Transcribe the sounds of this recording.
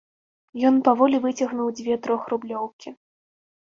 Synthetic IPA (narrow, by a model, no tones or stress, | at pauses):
jɔnpavɔlʲivɨt͡sʲɐɣnuwd͡zʲvʲɛt̪ɾɔxrublʲɔwkʲi